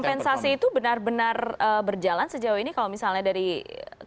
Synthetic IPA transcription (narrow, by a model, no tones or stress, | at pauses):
mpɛnsasiːt̪ubənarbənarəbərd͡ʒalansəd͡ʒawainikalomisalɲadaɾi